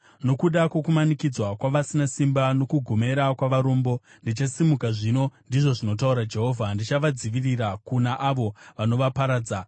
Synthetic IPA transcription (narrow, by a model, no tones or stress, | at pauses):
no̞kuɗakwe̞kumanikid͡zwakwaʋasinasimbano̞kuɡʱome̞ɾakwaʋaɾoːmbo̞ | ndit͡ʃasimukaʐino̞ndiʐo̞ʐino̞t̬auɾad͡ʒe̞ɦo̞ːvʱandit͡ʃaʋad͡ziʋirirakunaʔaʋo̞ʋano̞ʋapaɾaːd͡za